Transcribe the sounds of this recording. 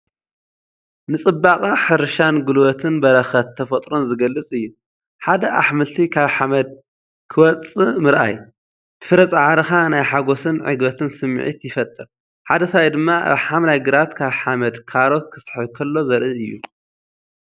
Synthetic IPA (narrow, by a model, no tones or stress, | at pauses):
nɨt͡sʼɨbːakʼaħɨɾʃanɡɨlwɐt̪ʰɨnbɐɾɐxɐt̪ʰːɐfɐt̪ʼɾo̞nzɨɡɐlːɨt͡sʼɨjːu | ħad̪ɐʔa̰ħmɨlt̪ʰikʰaβħamɐd̪̚ | kʰɨwɐt͡sʼɨmɨɾʔa̰j | t̪ʰɨ̥fɨɾɐt͡sʼaʕaɾɐxanajħaɡo̞sɨnʕɨ̰ɡbɐt̪ʰɨnsɨm̰ːʕḭt̪jɪfɐt̪ʼːɨɾ | ħad̪ɐsaajd̪ɨmːaa̰βħamlajɡɨɾat̪kʰaβħamɐd̪kʰaɾo̞t̪̚kʰɨ̥st̪ʰɨ̥ħɨβkʰɐlːo̞zɐɾʔɨɨjːṵ